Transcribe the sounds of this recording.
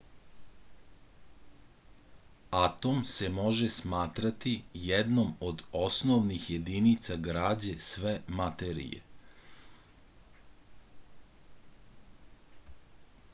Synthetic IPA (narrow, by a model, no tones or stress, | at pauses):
at̪o̞mse̞mo̞ʒesmaːt̪ɾat̪ijɛd̪no̞mod̪o̞snoʋnixje̞d̪init̪saɡɾaːd͡ʑesʋemat̪eɾḭjḛ